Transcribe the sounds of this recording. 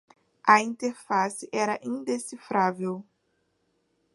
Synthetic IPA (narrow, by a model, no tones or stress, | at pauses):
ɐĩnt̪eɾfasɪʔɛɾɐʔĩnd̪esifɾavew